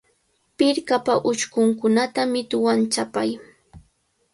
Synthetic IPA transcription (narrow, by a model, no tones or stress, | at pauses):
pɪɾkapaʔʊt͡ʃkʊŋkʊnat̪amɪt̪ʊwant͡ʃapaj